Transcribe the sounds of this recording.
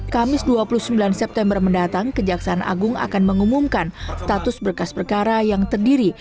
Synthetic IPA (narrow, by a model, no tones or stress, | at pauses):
kamɪsduapuluhsəmbilansɛp̚t̪ɛmbərməndat̪aŋkəd͡ʒaksaːna̰ɡʊŋa̰kanməŋumumkanst̪at̪ʊsbərkaspərkaɾajaŋt̪ərdiɾi